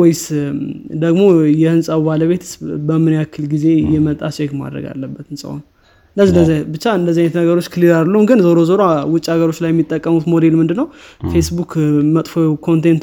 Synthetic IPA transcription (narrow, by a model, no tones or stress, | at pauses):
wɛjs | d̪əɡmo̞jɛhɨnsʼawbaləβe̞t̪ʰɨ̥sbəmɨnjakʰːɨlɡize̞jɛmət̪ʼa̰ʃekma̰d̪ɾə̰ɡa̰lːəbːət̪ɨnsʼa̰wo̰n | ɨnəzinəzabɨt͡ʃːaɨnd̪əzːiajnət̪nəɡəɾo̞t͡ʃːkʰɨliɾadlumɡɨnzoɾozoɾawʊt͡ʃʼihaɡəɾo̞t͡ʃːlajːɛmːit̪ʼːəkʼːəmut̪mo̞d̪e̞lmɨnd̪ɨnːəw | fe̞sbukʰmət̪ʼfokʰo̞nt̪ʰent̪